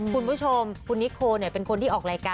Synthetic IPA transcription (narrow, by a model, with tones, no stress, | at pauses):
kʰu˧nbt͡ɕʰo˧mkʰu˧nːi˦˥kʰoː˧ni˥˩ɐpe˧nkʰo˧nt̪ʰiː˥˩ʔɔː˨˩k̚ɾaː˧jkaː˧